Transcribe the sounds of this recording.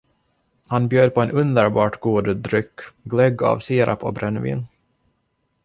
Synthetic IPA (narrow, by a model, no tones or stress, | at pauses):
hanbjøːd̪̚pʰɔɛnʔɵnd̪əɾbɑːʈɡuːd̪d̪ɾʏkːɡlɛɡa̰vsiːɾʔa̰pʰɔ̰bɾɛnvḭːn